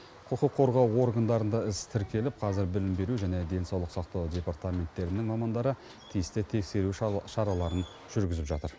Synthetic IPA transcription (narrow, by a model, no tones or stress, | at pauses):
qʰʊqəqʰːo̞ɾʁɑwo̞ɾɡɑnd̪ɑɾənd̪ɑɪst̪ʰɪɾkʲe̞lɪp̚qʰɑzɪɾbɪlɪmbe̞ɾuʒæne̞d̪e̞nsɑwlˠəqsɑqt̪ɑwd̪ʲe̞paɾt̪amʲe̞nt̪ːe̞ɾɪnɪŋmɑmɑnd̪ɑɾə | t̪ʰijɪst̪ɪt̪ʰe̞kse̞ɾuʃɑɾɑlˠɑɾən | ʒ̥ʏɾɡʲɪzɪpʒɑ̰t̪əɾ